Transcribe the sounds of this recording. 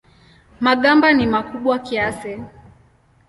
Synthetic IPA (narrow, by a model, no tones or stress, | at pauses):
maɠambanimakuɓwakiasɛ